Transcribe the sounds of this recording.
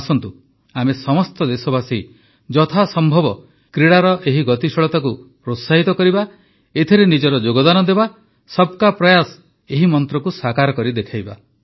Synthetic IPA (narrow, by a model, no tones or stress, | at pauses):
sɔnt̪u | amesɔmɔst̪ɔd̪esɔbasi | d͡ʒɔt̪ʰasɔmbʱɔbɔ | kɾiɽaɾɔʔeɦiɡɔt̪isɔɭɔt̪ak̬u | ɾot̪saɦit̪ɔkɔɾiba | et̪ʰiɾenid͡ʒɔɾɔd͡ʒoɡɔd̪anɔd̪eba | sɔb̚kapɾɔjas | eɦimɔnt̪ɾɔkusakaɾɔkɔɾid̪ekʰajba